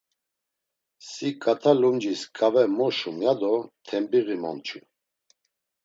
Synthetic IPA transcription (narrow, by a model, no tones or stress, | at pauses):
sikʼat̪ʰalumd͡ʒiskʼavɛmɔʃumjad̪ɔt̪ʰɛmbiɣimɔ̰nt͡ʃʰu